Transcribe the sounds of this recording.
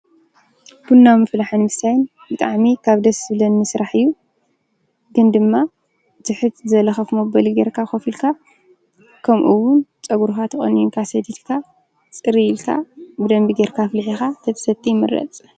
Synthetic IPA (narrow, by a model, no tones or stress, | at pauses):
b̥unːamɨflaħanmɨsajn | bɨt̪ʼaʕmikʰaβd̪ɐsɨlɐnːɨsɾaħɨjːu | ɡɨnd̪ɨmːa | t̪ʰɨħɨt̪zɐlɐxɐfmobɐliɡeɾkʰaxɐfilkʰa | kʰɐmʔuwʊnt͡sʼɐɡuɾxat̪ʰɐχʼɐ̰njuŋkʰasɐd̪ilkʰa | t͡sʼɨɾilkʰa̰bɨd̪ɐmbiɡeɾkʰaflħixat̪ʰɐt̪ʰɐ̥sɐt̪ʼːimɨ̰ɾɐ̰t͡sʼ